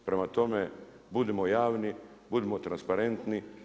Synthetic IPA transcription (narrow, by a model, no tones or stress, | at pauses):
pɾemat̪o̞me | bud̪emojaːʋnibud̪emot̪ɾanspaɾe̞nt̪ni